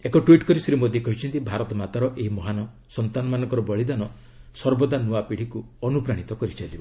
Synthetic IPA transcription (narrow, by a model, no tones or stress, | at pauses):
ekɔʈwiʈkɔɾisɾimod̪ekɔɦit͡ʃʰɔnt̪ibʱaɾɔt̪ɔmat̪aɾɔʔeɦimɔɦanɔ | sɔnt̪anɔmanɔŋkɔɾɔbɔɭid̪anɔ | sɔɾbɔd̪anuapiɽ̤ikuɔnupɾaɽ̃it̪ɔkɔɾit͡ʃajlibɔ